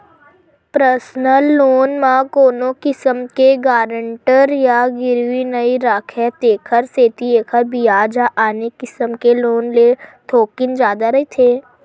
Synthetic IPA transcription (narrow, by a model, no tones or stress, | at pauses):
pɾəɾsnəlːoːnmãkoːnokɪsəmkeɡaːɾəɳʈəɾjaɡɪɾwinəiɾaːkʰɛt̪eːkʰəɾseːt̪ieːkʰəɾbijaːd͡ʒaʔaːnekɪsəmkeloːnlet̪ʰoːkɪnd͡ʒjaːd̪aɾɐit̪ʰeː